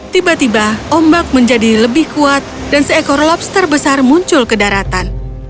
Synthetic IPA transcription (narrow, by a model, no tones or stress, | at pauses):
t̪ibat̪ibaʔɔmbak̚məɲd͡ʒadiləbɪhkuat̪̚dansəekɔrlɔp̚st̪ərbəsarmuɲt͡ʃʊlkədaɾat̪an